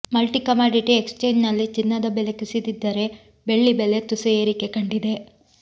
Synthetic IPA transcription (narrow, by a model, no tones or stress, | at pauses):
mɐlʈikɐmaːɖiʈiekst͡ʃeːɲd͡ʒnɐlːit͡ʃinːɐd̪ɐbele̞kusid̪id̪ːɐɾe̞ | be̞ɭːibele̞t̪usueːɾike̞kɐɳɖid̪e̞